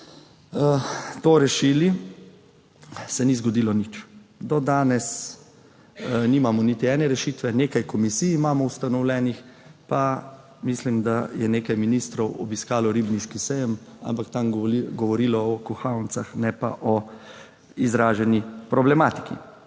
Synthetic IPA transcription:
t̪oɾɛʃiːli | sɛnizɡɔd̪ilɔnit͡ʃd̪ɔd̪aːnɛs | niːmamɔnit̪iɛːnɛɾɛʃiːt̪ʋɛneːkajkɔmisiːjimaːmɔust̪anɔwlɛːnixpa | mislimd̪ajɛneːkajminist̪ɾɔwɔ̰biskaːlɔɾibniʃkisɛjəma̰mpakt̪amɡɔʋɔɾiːlɔɔkuxawnsaxnɛpa̰ʔɔ | izɾaːʒɛnipɾɔblɛmaːt̪i̥kḭ

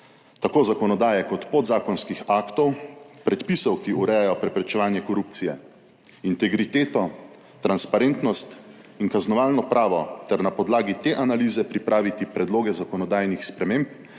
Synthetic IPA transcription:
t̪akoːzakɔnɔd̪aːjɛkɔt̪pod̪zaːkɔnskixaːkt̪ɔwpɾɛt̪pisɔwkiuɾɛjajɔpɾɛpɾɛt͡ʃɛʋaːnjɛkɔɾuːp̚t̪sijɛ | int̪ɛɡɾit̪eːt̪ɔ | t̪ɾanspaɾeːnt̪nɔst̪ | iŋkaznɔʋaːlnɔpɾaːʋɔt̪ɛɾnapɔd̪laːɡit̪eʔanaliːzɛpɾipɾʔaːʋit̪ipɾɛd̪loːɡɛzakɔnɔd̪aːjnixspɾɛmẽmp

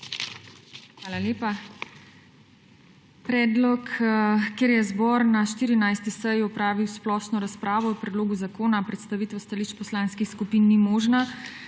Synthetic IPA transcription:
xʋaːlaleːpa | pɾɛːd̪lɔkkeɾjɛzbɔɾnaʃt̪iːɾinajst̪isɛjɔpɾaːʋiwsplɔːʃnɔɾaspɾaːʋɔɔpɾɛd̪loːɡuzakoːnapɾɛt̪st̪aʋiːt̪ʋɛst̪aliʃt͡ʃpɔslaːnskixskupiːnːimoːʒna

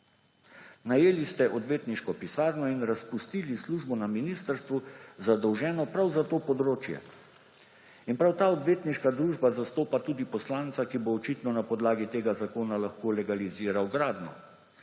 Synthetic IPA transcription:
najeːlist̪ɛʔɔd̪ʋeːt̪niʃkɔpisaːɾnɔinɾaspust̪iːlisluʒbɔnaminist̪əɾst̪ʋuzad̪ɔwʒɛːnɔpɾawzat̪oːpɔd̪ɾoːt͡ʃjɛ̰ | inpɾawt̪aːɔd̪ʋeːt̪niʃkad̪ɾuːʒbazast̪oːpat̪uːd̪ipɔslaːnt̪sakiboːt͡ʃit̪nɔnapɔd̪laːɡit̪eːɡazakoːnalaxkoːlɛɡaliziːɾawɡɾaːd̪nɔ̰

